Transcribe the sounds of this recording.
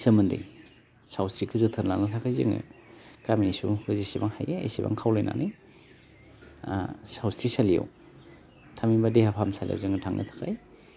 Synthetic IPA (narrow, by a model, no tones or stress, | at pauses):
sɐmɯndḛj | sawsɾikʰɯzɯtʰɯnlaŋnɯtʰakʰajzɯ̰ŋɯ̰kaminisuhɯzisibaŋhajeḛjsiba̰ŋkʰawlojna̰nʔɯj | sawsɾisalija̰w | tʰaminbadehapʰamsalḭja̰wzɯŋɯtʰaŋnʔɐ̰tʰḁkʰaj